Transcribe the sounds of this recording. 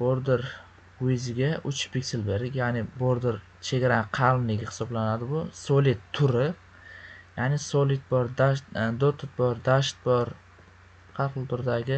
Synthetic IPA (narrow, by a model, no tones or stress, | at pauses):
boɾd̪ɪɾ | ʊjɪzɪɡʲaʔʊt͡ʃbʰɪkʲsɪlbe̞ɾd̪ɪkʲjanɪboɾd̪ɪɾ | t͡ʃʰeɡʲaɾaqʰɑlˠmlɪɡʲɪhɪ̥sɒblanad̪ɪbʊsolit̪ʰːʊɾɪ | janɪsolɪt̪̚bɒɾd̪aʃtd̪ot̪ʰɪt̪̚bɒɾd̪aʃt̪̚bɒɾ | qʰɑɾqɨlˠt̪ʰʊɾd̪aɡʲɪ